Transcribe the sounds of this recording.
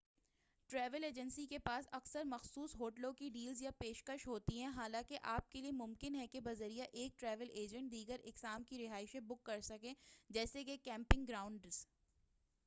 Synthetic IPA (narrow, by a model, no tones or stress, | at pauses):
ʈɾɛːʋəleːd͡ʒə̃nsikepaːsɐksəɾmɐxsuːsɦoːʈlõkiɖiːlzjapeːʃkəʃɦoːt̪iɦɛ̃ɦaːlãːkeʔaːp̚keliemʊ̃mkɪnɦɛkebɐzəɾijaʔeːk̚ʈɾɛːʋəleːd͡ʒə̃ɳʈ̚d̪iːɡəɾɪksaːmkiɾɪɦaːɪʃẽbʊkːɐɾsɐkẽːd͡ʒɛːsekekɛ̃ːmpɪ̃ŋɡɾaːʊ̃ɳɖz̥